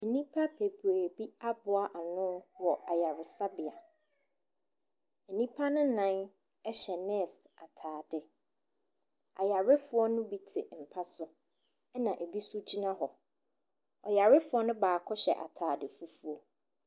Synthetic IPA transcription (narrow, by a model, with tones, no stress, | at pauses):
e˨nĩ˦pʰa˦pʰe˨bɾe˨bi˦a˦bʊ˨a˦ʔa˨nʊ̃˦wɔ˨a˨ja˨ɾɪ˨sa˦bɪ˨a˨ | e˨nĩ˦pʰa˦nʊ̃˦nã˦n | ɛ˦ɕɛ˨nɛ̃˦˨sa˨tʰaː˨dɪ˨ | a̰˨ja˨ɾɪ˦fʊ˨˦ɔ˦nʊ̃˦bi˨tʰɪ̰˨m̩˨pʰa˦sʊ˦ | ɛ˦nã˨ʔæ˨bi˦sʊ˦d͡ʑi˦nã˦ɦɔ˨ | ɔ˨ja˨ɾɪ˦fʊ˦ɔ˦nʊ̃˦baː˨kʰɔ˦ɕɛ̰˨ʔa̰˨tʰaː˨dɪ˨fu˦fu˦ɔ˦